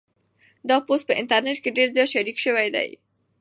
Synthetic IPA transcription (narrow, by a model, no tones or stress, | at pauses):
d̪ɑpos̚pəʔɪ̰nt̪aɾneʈ̚keɖeɾzjɑt̪ʃaɾikʃəwajd̪a̰j